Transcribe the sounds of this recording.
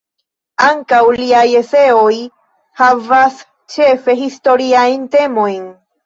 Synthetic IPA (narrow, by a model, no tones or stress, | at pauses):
aŋkawliajeseoj | havas | t͡ʃefe̞ɦist̪o̞ɾiajnt̪e̞mojn